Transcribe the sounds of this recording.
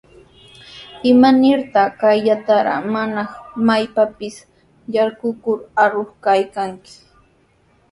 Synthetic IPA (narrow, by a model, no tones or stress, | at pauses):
ɪmanɪɾt̪ɑkajʎat̪aɾɑ̰manɑχmajpapɪs | jaɾɢʊkʊɾaɾoχkajkaŋkɪ̥